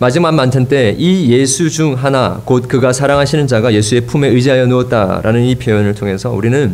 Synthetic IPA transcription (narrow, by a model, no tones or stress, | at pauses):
mad͡ʑimamːantʰant͈e̞ije̞sʰud͡ʑuŋɦanakot̚kɯɡasʰaɾaŋɦaɕʰinɯnd͡ʑaɡaje̞sʰue̞pʰume̞ɯd͡ʑiɦajʌnuʌt̚t͈a̰ɾa̰nɯnipʰjojonɯɭtʰoŋɦe̞sʰʌuɾinɯn